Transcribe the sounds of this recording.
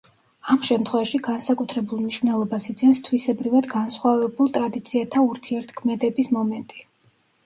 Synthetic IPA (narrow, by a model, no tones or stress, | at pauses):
amʃɛmt̪ʰχwɛvaʃiɡansakʼut̪ʰɾɛbulˠmniʃvnɛlˠɔbasid̪sʰʼɛnst̪ʰwisɛbɾivad̪ɡansχwavɛbulˠt̪ʼɾad̪it̪sʰiat̪ʰauɾt̪ʰiɛɾt̪ʰkʰmɛd̪ɛbismɔmɛnt̪ʼi